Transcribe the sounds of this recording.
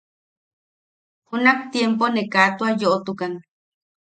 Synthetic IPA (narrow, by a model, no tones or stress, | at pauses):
hunakt̪jemp̬onekat̪uajoʔot̪ukan